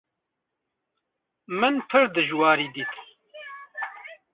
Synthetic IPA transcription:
mɨnpʰɨɾd̪ɨʒwɑːɾiːd̪iːt̪

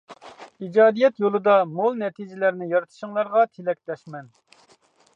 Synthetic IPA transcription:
id͡ʒɑːd̪ijɛt̪jolˠɨd̪ɑmolˠnɛt̪ʰid͡ʒɪlæɾnɪjɑɾɨt̪ʰɨ̥ʃɪŋlˠɑɾʁɑt̪ʰelɛk̚ʲt̪ɛʃmɛn

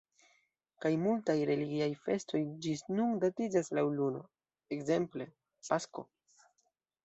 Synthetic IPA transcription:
kajmultajɾe̞liɡiajfe̞sto̞jd͡ʒinundatid͡ʒaslawluno̞̰ | ekze̞mple̞ | pasko̞̰

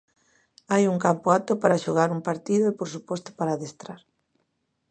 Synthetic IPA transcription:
ajuŋkampoat̪opaɾaʃoɣaɾuŋpaɾt̪iðoepoɾsupɔst̪o̥paɾaðest̪ɾaɾ

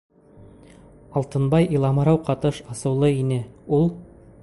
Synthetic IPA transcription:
ɑlˠt̪ɤ̆nbɑjilˠɑmɤ̆ɾɑwqɑt̪ɤʃɑsɤ̆wlˠɤinɘulˠ

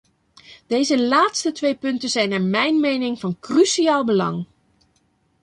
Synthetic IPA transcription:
d̥ejzəlaːtstətʋejpɵntənzɛjnɛɹmɛjnmejnɪŋvɑnkrysiaːlˠbəlɑ̰ŋ

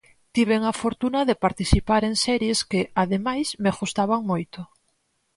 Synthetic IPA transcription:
t̪iβ̞eŋafoɾt̪unaðepaɾt̪iθipaɾeŋsɛɾjeskeaðemajsmeaɣust̪aβaŋmojt̪o

